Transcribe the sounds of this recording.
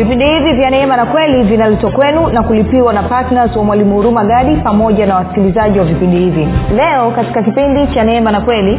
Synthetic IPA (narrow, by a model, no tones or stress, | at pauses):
vipindihivivjanɛɛmanakwɛlivinalɛtwakwɛnunakulipiwanapatnazwamwalimuuɾumaɠaɗipamɔʄanawasi̥kilizaʄiwavipindihivilɛɔkati̥kakipindit͡ʃanɛɛmanakwɛli